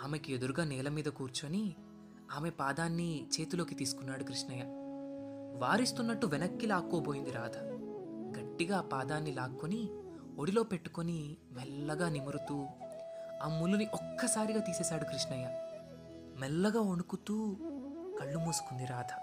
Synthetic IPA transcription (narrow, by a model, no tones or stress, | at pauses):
aːme̞kied̪uɾuɡaːnɛːlɐmiːd̪ɐkuːɾt͡ʃuɐni | aːme̞paːd̪aːnːit͡ʃe̞ːt̪ulo̞ːkit̪iːsu̥kunːaːɽukɾiʂɳɐjɐ | ʋaːɾist̪unːɐʈːuʋɛnɐkːilaːkːoːbo̞ːjind̪iɾa̰ːd̪ʱɐ | ɡɐʈːiɡaːpaːd̪aːnːilaːkːoni | oɽilo̞ːpe̞ʈːu̥koni | mɛlːɐɡaːnimɐɾut̪uː | amːuluniʔɔkːɐsaːɾiɡaːt̪iːsɛːsaːɽukɾiʂɳɐjɐ | mɛlːɐɡaːoɳukut̪uːkɐɭːumuːsu̥kund̪iɾaːd̪ʱɐ